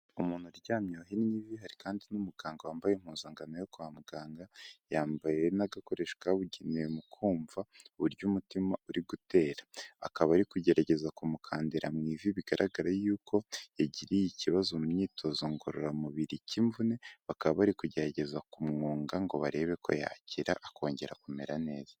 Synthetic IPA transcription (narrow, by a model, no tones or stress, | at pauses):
umuːn̥huɾɟaːmɲoɦiniɲiviɦaɾikaːndinumuɡaːŋɡawaːmbajem̥huːnzaːŋɡanojo̞kuamuɡaːŋɡajaːmbaje̞naɡako̞ɾe̞ʃkaβuɟiniemukʰuːɱvauβuɾɟumutimauɾiɡute̞ːɾaakaβaɾikuɟe̞ɾaɟe̞zakumukʰaːndeɾamŋiːviβiɡaɾʔaɡaɾajuːkʰo̞jaɟiɾijiciβazomuɲiːtʰo̞zoŋɡoɾoɾamuβiɾiciɱvune̞βakaββaɾikuɟe̞ɾaɟe̞zakumŋoːŋɡaŋɡo̞βaɾe̞βe̞kʰo̞̰ja̰ːciɾaʔːko̞ːɲɟe̞ɾakome̞̰ɾane̞ːz̥a